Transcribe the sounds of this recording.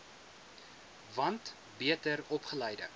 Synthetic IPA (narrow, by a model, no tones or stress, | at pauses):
vɐnt | biətəɾɔpχəlɛjdə̰